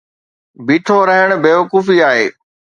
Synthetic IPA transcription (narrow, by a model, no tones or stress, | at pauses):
biːʈʰoɾɐɦəɽ̃beːʋəkuːfiaːɦeː